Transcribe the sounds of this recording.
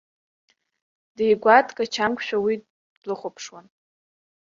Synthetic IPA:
d̥ejɡʷatʰʼkʼat͡ʃʰamkʷʰʼʃᶣawi | lɨχʷopʰʂwan

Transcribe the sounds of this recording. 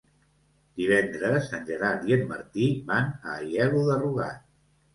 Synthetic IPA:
d̪̥iβɛnd̪ɾəsənʲʒəɾaɾt̪jənmə̰ɾt̪iβanəːjɛɣuðəruɣa̰t̪̚

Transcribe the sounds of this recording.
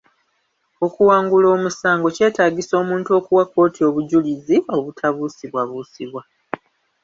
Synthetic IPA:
o̞kuwaːŋɡulo̞ːmusaːŋɡo̞ce̞ːtaːɡiso̞ːmuːntuo̞ːkuwako̞ːtio̞βuɟulizio̞βutʰaβuːsiβwaβuːsiβwa

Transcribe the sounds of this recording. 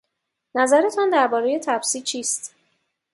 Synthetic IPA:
næzæɾe̞t̪ʰɒnd̪æɾbɒːɾe̞je̞t̪ʰæbsiːt͡ʃʰiːst̪

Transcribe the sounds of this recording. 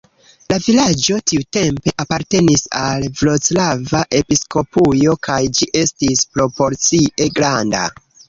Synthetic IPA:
lavilad͡ʒo̞tiute̞mpe̞ʔapaɾte̞nisalvlo̞t͡slavaʔe̞pisko̞pujo̞kajd͡ʒiʔe̞stispɾo̞po̞ɾt͡siʔe̞ɡɾanda̰

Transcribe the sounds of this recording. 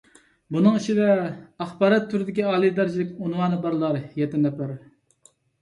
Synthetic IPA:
bunɨŋiʃid̪ɛɑχbɑːɾɛt̪ʰːuɾɪd̪ɪkʲiɑːlˠid̪æɾd͡ʒilɪk̚ʲunwɑːnɨbɑɾlˠɑɾjɛt̪ːɪnɛpɪɾ

